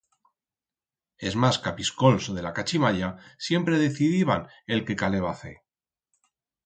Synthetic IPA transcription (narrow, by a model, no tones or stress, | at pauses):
e̞zmaskapisko̞lsoð̞e̞lakat͡ʃimaʎasje̞mpɾe̞ð̞e̞θiðiβan | e̞lke̞kale̞β̞aθḛ